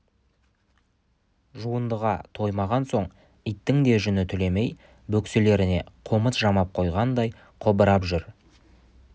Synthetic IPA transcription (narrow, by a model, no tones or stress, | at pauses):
ʒuənd̪əʁɑt̪ʰo̞jmɑʁɑnso̞ɴ | ɪjt̪ːɪŋd̪e̞ʒʏnɪt̪ʰʏle̞me̞j | bɵksele̞ɾɪne̞̰qʰoməsʒɑmɑp̚qʰo̞jʁɑnd̪ɑj | qʰobəɾɑpʒʏɾ